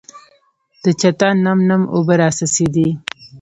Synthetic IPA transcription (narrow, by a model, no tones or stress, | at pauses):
d̪̥ət͡ʃat̪ɑnːamnamo̰baɾɑsased̪i